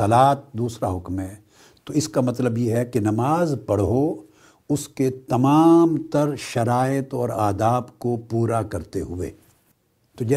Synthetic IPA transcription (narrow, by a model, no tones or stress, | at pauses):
ɐlaːt̪̚d̪uːsɾaɦʊkmɦɛ̃ː | t̪oɪskamɐt̪ləbjeɦɛkinɐmaːzpɐɽ̤ɦo | ʊsket̪ɐmaːmt̪ɐɾʃɐɾaːjət̪ɔːɾaːd̪aːbkopuːɾakɐɾt̪eɦʊʋḛː | t̪od͡ʒɛː